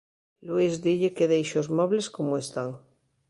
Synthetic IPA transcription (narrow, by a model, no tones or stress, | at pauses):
luizðiʎekeðejʃozmoβleskomoest̪aŋ